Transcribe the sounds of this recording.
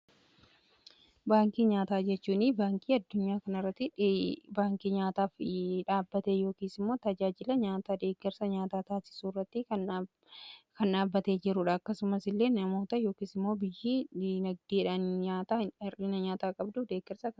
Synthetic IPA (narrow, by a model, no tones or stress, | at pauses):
baːŋkiːɲaːt̪aːd͡ʒɛt͡ʃːuːnɪbaːŋkʼiːɐd̪ːʊɲːaːkɐnɪrːɐt̪ːɪbaːŋkiːɲaːt̪aːfᶑaːbːɐt̪eːjo̞ːkiːsɪmːo̞ːt̪ɐd͡ʒaːd͡ʒɪlɐɲaːt̪aːd̪e̞ːɡːɛɾsɐɲaːt̪aːt̪aːsɪ̥suːrːɐt̪ːɪ | kɐnᶑaːbːɐt̪e̞ːd͡ʒɪɾʊːᶑɐːkːɐsʊmɐsɪlːe̞ːnɐmo̞ːt̪ɐjo̞ːkiːsɪmːo̞ːbɪjːiːnɐɡ̚d̪iːᶑanɲaːt̪aːɪrɪnɐɲaːt̪aːkʼɐbd̪ʊfd̪e̞ːɡɛɾsɐkɐ